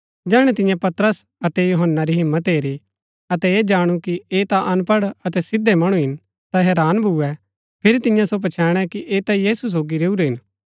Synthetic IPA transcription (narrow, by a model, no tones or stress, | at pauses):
d͡ʒɛːɽ̃ɛt̪ɪ̃jãpɐt̪ɾəs | ɐt̪ɛjoɦənːaɾiɦɪmːət̪eːɾi | ɐt̪ɛeːd͡ʒaːɽ̃ukieːt̪aʔɐnpɐɽɐt̪ɛsɪd̪ɛmɐɽ̃ũɦɪn | t̪aɦɛːɾaːnbʱuɛ | pʰɪɾit̪ɪ̃jãsop̬ɐt͡ʃʰɛːɽ̃ɛkiʔeːt̪ajiːsus̬oːɡiɾeːuɾeɦɪn